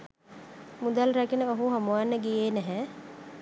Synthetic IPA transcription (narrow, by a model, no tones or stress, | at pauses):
mud̪alɾakinəoɦuɦomuwanːəɡijeːnæɦɛ